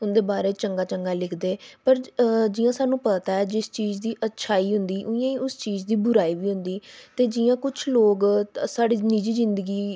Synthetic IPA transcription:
ʊnd̪eːbaːɾeːt͡ʃəŋɡaːt͡ʃəŋɡaːlɪkʰd̪eːpəɾd͡ʒɪːãːsaːnũːpət̪aːɛːd͡ʒɪst͡ʃiːd͡ʒd̪iːʔətːʃʰaːiːɦʊnd̪iːʔʊjãːiːʊst͡ʃiːzd̪iːbʊɾaːiːʋiːɦʊ̃nd̪iːt̪eːd͡ʒijãːkʊt͡ʃʰloːɡsaːɽiːniːd͡ʒiːzɪ̃nd̪əɡiː

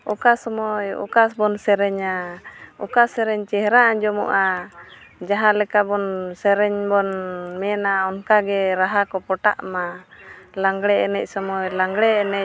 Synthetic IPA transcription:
ɔkasɔmɔjɔ̰kasbɔnsɛɾɛɲaɔkasɛɾɛɲt͡ʃɛɦɾaʔad͡ʒɔmɔ̰ʔa | d͡ʒaɦãlɛkabɔnsɛɾɛɲbɔnmɛnaɔnkaɡɛɾaɦakɔpɔʈa̰ʔma | laŋɡɽɛɛnɛc̚sɔmɔjlaŋɡɽɛɛnɛc̚

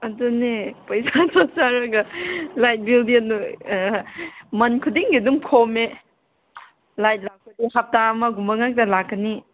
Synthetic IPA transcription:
ɐdunepɐjzatasaɾɐɡɐlajt̚bildinːu | mɐnkʰudiŋɡidumkʰome | lajt̚lak̚pɐdihap̚tamɐɡumbɐŋak̚tɐlakːɐni

